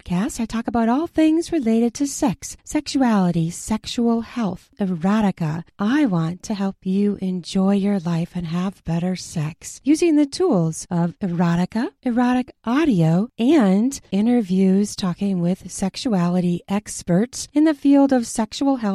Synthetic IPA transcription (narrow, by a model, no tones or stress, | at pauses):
kʰæstaɪtʰɔkəbaʊɾɔlˠθɪ̃ŋzɹɨleɪɾɨd̚tʰɨsɛksːɛkʃuælˠəɾisɛkʃul̩ˠhɛlˠθ | ɨɹɑɾɨkə̰ʔaɪwɑ̃ntʰɨɦɛlˠpjɨʔɪ̃nd͡ʒɔɪjə˞laɪfɨ̃nəvbɛɾə˞sɛksjʉzɪ̃ŋðɨtʰulˠz̥ʌvɨ˞ɑɾɨkəʔɨɹɑɾɨkʔɑɾioʊɨ̃ndɪ̃ɾ̃ə˞vjʉz̥tʰɔkɪ̃ŋwɪð̥sɛkʃuælˠəɾiʔɛkspə˞tsɨ̃nðɨfilˠdʌv̥sɛkʃul̩ˠɦɛlˠ